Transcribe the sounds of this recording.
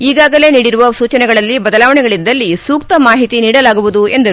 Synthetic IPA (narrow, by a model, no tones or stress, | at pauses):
iːɡaːɡɐle̞ːniːɽiɾuʋɐsuːt͡ʃɐnɛɡɐɭɐlːibɐd̪ɐlaːʋɐɳɛɡɐɭid̪ːɐlːisuːk̚t̪ɐmaːɦit̪iniːɽɐlaːɡuʋud̪uend̪ɐɾu